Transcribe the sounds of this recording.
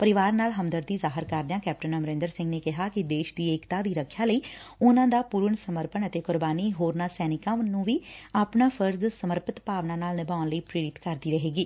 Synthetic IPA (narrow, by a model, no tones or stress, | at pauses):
pəɾɪʋaːɾnaːlɦəmd̪əɾd̪iːzaːɦɪɾkəɾd̪ãːkɛːpʈənəmɾẽːnd̪əɾsɪ̃ŋɡneːkɪɦaːkɪd̪eːʃd̪iːeːkt̪aːd̪iːɾəkʰːjaːləiːʊnãːd̪aːpuːɾəɳsəməɾpənət̪eːkʊɾbaːniːɦoːɾnaːsɛːnɪkãːʊnːũːʋiːapnaːfʰəɾzsəməɾpət̪paːʋnãːnaːlnɪbaːʊnləiːpɾeːɾɪt̪kəɾd̪iːɾəɦeːɡiː